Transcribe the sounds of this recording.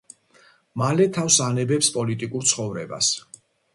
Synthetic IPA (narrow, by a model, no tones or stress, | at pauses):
malɛt̪ʰafsanɛbɛpspʼɔlit̪ʼikʼuɾt̪sʰχɔvɾɛba̰s